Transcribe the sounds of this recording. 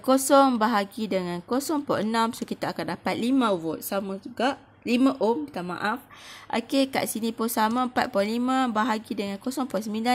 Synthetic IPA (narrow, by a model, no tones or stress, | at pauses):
kosɔŋbaɦaɡidəŋãnkosɔŋpɔʔənãmsokit̪aːkandapat̪̚limãvot̪̚samãd͡ʒuɡaʔ | limãʔomt̪amã̰ʔafʔa̰keka̰ʔsinĩpʊnsamãmpat̪̚pɔnlimãbaɦaɡidəŋankosɔŋpɔs̬əmĩlda